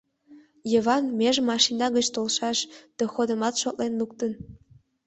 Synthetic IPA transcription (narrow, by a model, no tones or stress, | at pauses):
jəβɑnmeʒmɑʃinɑɣət͡ɕt̪olʃɑʃd̪̥ɑxod̪ə̆mɑt̪ʃot̪lenluk̚t̪ən